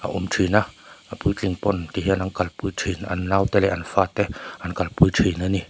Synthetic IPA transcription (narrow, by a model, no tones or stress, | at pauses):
ʔa̰ʔumtʰinaapujt͡ɬiŋpɔnt̪iɦiənʔaŋkalpujtʰinʔa̰nːawt̪ɛlɛʔanfat̪ɛʔankalpujtʰinani